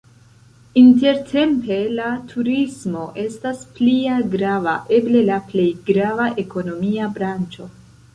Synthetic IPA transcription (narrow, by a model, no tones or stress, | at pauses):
inte̞ɾtʰe̞mpe̞latʰuɾismo̞ʔe̞stasplialɡɾava̰ʔe̞ble̞laple̞jɡɾavaʔe̞ko̞no̞miabɾant͡ʃo̞